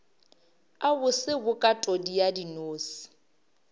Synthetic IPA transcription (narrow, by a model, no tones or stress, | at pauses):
abʊsɪbʊkʼatʼodijadinoːsi̥